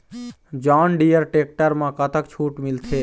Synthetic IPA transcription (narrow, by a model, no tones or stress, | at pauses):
d͡ʒaːnɖijəɾʈeːk̚ʈəɾmãkət̪əkt͡ʃʰuːʈmɪlt̪ʰeː